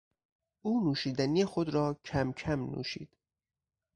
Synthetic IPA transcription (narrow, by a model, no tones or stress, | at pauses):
uːnuːʃiːd̪ænijexod̪ɾɒːcʰæmcʰæmnṵːʃḭːd̪̥